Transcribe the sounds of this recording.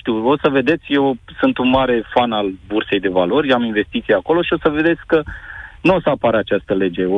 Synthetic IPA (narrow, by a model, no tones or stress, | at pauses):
ʃt̪iwo̞səve̞d̪e̞t̪sʲje̞wsɨnt̪unmaɾe̞fanalburse̞jd̪e̞valo̞rʲaminve̞st̪it̪sieako̞lo̞ʃio̞səve̞d̪e̞t̪sʲkənuo̞səapaɾat͡ʃast̪əle̞d͡ʒe̞o